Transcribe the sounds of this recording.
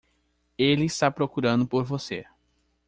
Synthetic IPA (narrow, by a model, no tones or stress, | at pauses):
elɪist̪apɾokuɾɐ̃nd̪ʊpoɾvose